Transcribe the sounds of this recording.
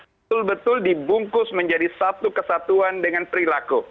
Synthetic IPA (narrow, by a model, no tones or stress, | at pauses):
b̪ | ʊlbət̪ʊldibuŋkʊsməɲd͡ʒadisat̪ukəsat̪uandəŋanpəɾilaku